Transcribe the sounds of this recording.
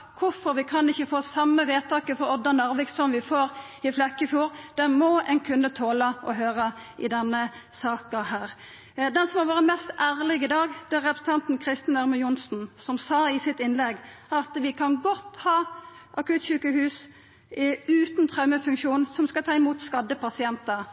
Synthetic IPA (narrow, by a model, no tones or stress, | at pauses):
kʰʊfɔɾʋɪkʰɑnɪçːəfoːsɑmːəʋeːt̪ʰɑːkəfɔɾɔd̪ːɑnɑʁʋɪɡssɔmʋɪfoːʁ | ɪflɑkːəfjuːɾd̪̥ɛnmɔɛnkʰʉnːət̪ʰoːləʔɔɦøːɾəʔɪd̪ɛnːəsɑːkəhæːʁ | d̪ɛnsɔmhɑʋɑːɾəmɛst̪æːʁlɪɡɪd̪ɑːɡd̪̥ɛæɾɛpɾəsn̩t̪ʰɑnt̪n̩kʰʁɪst̪ənæɾməjʊnsn̩sɔmsɑːɪsɪt̪ɪnlɛɡɑt̪ʋɪkʰɑnɡɔt̪ːhɑː | ʔɑkʉːt̪çʉːkəhʉːs | ʉːt̪nt̪ʰʁœʉməfʉŋkʃuːnsɔmskɑlt̪ʰɑːɪmuːt̪skɑd̪ːəpɑsɪɛnt̪ɑ